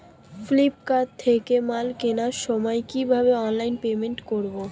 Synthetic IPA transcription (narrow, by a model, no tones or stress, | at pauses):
flipkat̪ʰːekemalkenaɾʃɔmɔekibʱaβeɔnlajnpemenʈkoɾbo